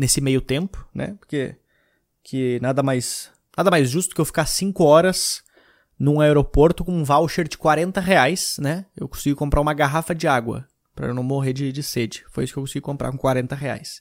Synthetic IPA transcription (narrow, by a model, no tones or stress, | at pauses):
nesɪmejʊt̪ẽmpʊ̥nʔɛ̰poɾke | kʰɪnad̪ɐmajs | nad̪ɐmajzʒust̪ʊ̥kɪewfi̥kasĩŋkʊɔɾɐs | nʊ̃aeɾopoɾt̪ʊkõũvawʃeɾd͡ʒɪkwaɾẽnt̪ɐɦeajsnɛewkõsiɡɪkõmpɾʔaũmɐɡaɦafɐd͡ʒɪaɡwɐ̰ | pɾɐ̰ḛwnɐ̃w̃moɦeɾd͡ʒɪd͡ʒɪsed͡ʒɪ̥fojisʊ̥kewkõsiɡikõmpɾa̰kõkwaɾẽnt̪ɐɦea̰js